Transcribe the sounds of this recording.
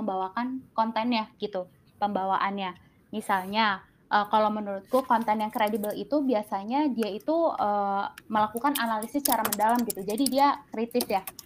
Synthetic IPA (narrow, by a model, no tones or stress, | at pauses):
əmbawakankɔnt̪ɛnjaɡ̥it̪u | pəmbawaʔanɲa | misalɲa | ʔəːkalowmənuɾʊt̪̚kukɔnt̪ɛnjaŋkɾedibəlḭt̪ubiasaɲadiait̪uəːməlakukanʔanalisɪst͡ʃaɾamədalamɡit̪ud͡ʒadidiakɾit̪ɪsjah